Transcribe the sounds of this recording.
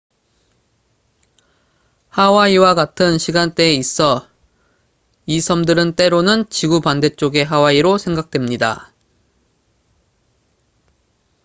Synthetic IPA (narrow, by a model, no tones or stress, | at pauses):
hawaiwaɡatʰɯnɕʰiɡant͈e̞ːis͈ʌ | isʰʌmdɯɾɯnt͈e̞ɾonɯnt͡ɕiɡupande̞t͡ɕ͈oɡe̞ɦawaiɾosʰe̞ŋɡak̚t͈we̞mɲida̰